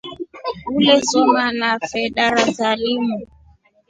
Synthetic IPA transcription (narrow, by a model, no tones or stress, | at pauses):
ulɛsɔmanafɛɗaɾasalimu